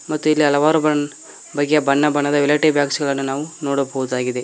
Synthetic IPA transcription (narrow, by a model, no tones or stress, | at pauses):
mɐt̪ːuilːiɐlɐʋaːɾubɐɳ | bɐɡːejɐbɐnːɐbɐɳːɐd̪ɐʋilɐːʈibjaːksɡɐɭɐnːunaːʋunoːɽɐbɐʋud̪aːɡid̪e